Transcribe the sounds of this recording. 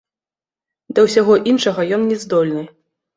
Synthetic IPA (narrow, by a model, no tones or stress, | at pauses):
d̪ɐwsʲaɣɔʔinʂɐɣɐjɔnnʲɛzd̪ɔlʲnɨ